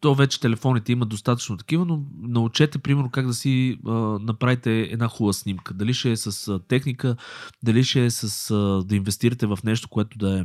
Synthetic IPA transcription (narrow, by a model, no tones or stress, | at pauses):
t̪ɔvɛt͡ʃɛ̥t̪ɛlɛfɔnit̪ɛiməd̪ost̪at̪ə̥t͡ʃnoʊt̪ɐ̥kivənonɐut͡ʃɛt̪ɛpɾimɛɾnokaɡd̪ɐsiənɐpɾavit̪ɛɛ̰d̪naxulˠəsnimkəd̪ɐliʃɛsɐst̪ɛxnikəd̪ɐliʃɛsəsd̪ɐinvɛst̪iɾət̪ɛvɐfnɛʃt̪o̥koɛt̪ʊd̪ɐɛ